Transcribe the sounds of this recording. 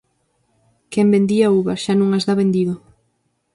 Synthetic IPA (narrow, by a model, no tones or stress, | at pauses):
kɛmbẽnd̪iauβaʃanũŋazðaβend̪iðʊ